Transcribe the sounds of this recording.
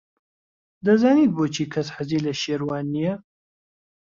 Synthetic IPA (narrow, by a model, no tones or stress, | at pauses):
d̪ɐzaːniːt̪̚boːt͡ʃʰiːkʰɐsħaziːlɐʃeːɾwaːnːijɛ